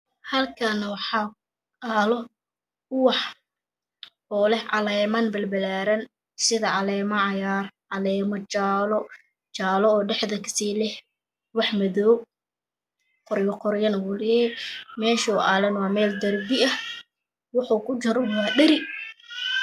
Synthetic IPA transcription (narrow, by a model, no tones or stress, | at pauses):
hɐlkʰɐnɐwɑħɑː | ʔaːlɔ | ʊwɑħ | ɔːlɛhʕɑlɛːmɐnbɐlbɐlaːɾɐn | sɪðɐʕɑlɛːmɐʕɑjaːrʕɑlɛːmɔt͡ʃaːlɔ | t͡ʃaːlɔɔːɖɛħðɐkʰsiːlɛh | wɑħmɐðɔː | qɔɾjɔqɔɾjɐnwʊl | mɛːʃuːʔaːlɐnwɑːmɛːld̪ɐrbɪɐh | wɑħuːkʰʊt͡ʃɐɾɔwɑːɗɐɾɪ